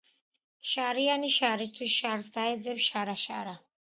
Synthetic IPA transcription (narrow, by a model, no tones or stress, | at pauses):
ʃaɾianiʃaɾis̬t̪ʰwisʃaɾsd̪aɛd̪zɛpʃaɾaʃa̰ɾa